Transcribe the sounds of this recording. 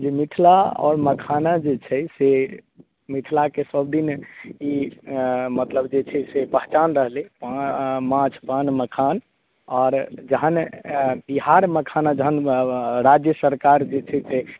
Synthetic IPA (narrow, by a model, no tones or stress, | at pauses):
d͡ʒemit̪ʰlaɔ̰ːɾməkʰanad͡ʒet͡ʃʰɛse | mit̪ʰlakesəbd̪ini | mət̪ləbd͡ʒet͡ʃʰɛsepəɦt͡ʃanɾəɦlepamãt͡ʃʰpãnməkʰan | ɔːɾd͡ʒəɦənbiɦaɾməkʰanad͡ʒəɦənɾad͡ʒjəsəɾkaɾd͡ʒet͡ʃʰɛse